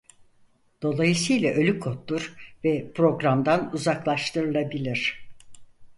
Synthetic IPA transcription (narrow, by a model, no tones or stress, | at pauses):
d̪̥o̞lˠajɯsɯjlʲˠaʔø̞lʲykʰo̞t̪lˠuɾvɛpɾo̞ɡɾamd̪anuzaklˠaʃt̪ʰɯɾɯlˠabilʲiɾ̥